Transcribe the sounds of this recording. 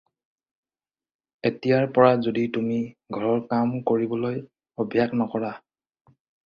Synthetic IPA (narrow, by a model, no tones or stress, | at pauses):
etijaɹpɔɹazoditumiɡʱɔɹɔɹkamkoɹibɔloj | ɔbʱjaknɔkɔɹa